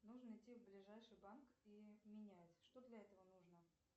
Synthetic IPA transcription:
nuʐnəɪtʲːivblʲɪʐajʂɨjbankimʲɪnʲætʲʂt̪od̪lʲɐɛt̪əvənuʐnə

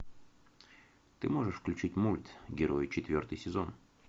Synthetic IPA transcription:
t̪ɨmo̞ʐɨʂfklʲʉt͡ɕitʲmulʲt̪ɡʲɪɾo̞jt͡ɕɪt̪vʲo̞rt̪ɨjsʲɪzo̞̰n

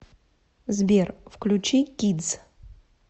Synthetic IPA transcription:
zbʲerfklʲut͡ɕikʲid̪z

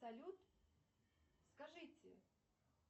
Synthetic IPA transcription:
sɐlʲut̪ | skɐʐɨtʲɪ̰

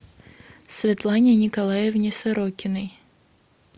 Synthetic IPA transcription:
sʲvʲɛt̪lˠanʲɪnʲɪkɐlˠajɛvnʲɪsɐɾokʲɪnɨj

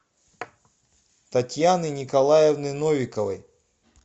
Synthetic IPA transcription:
t̪ɐtʲjanɨnʲikɐlˠajɛvnɨnovʲɪkəvə̰j

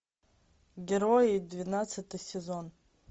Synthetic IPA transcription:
ɡʲɪɾojejd̪vʲinat̪sɨt̪ɨjsʲezo̞n

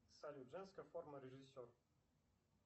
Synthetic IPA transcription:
salʲuʐɛnskəfɔrməɾʲɛʐɨsʲɔr

